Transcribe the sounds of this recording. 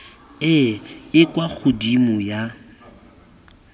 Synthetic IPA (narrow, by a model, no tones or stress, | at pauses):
ɪɪkʼwak͡xʰʊdimʊja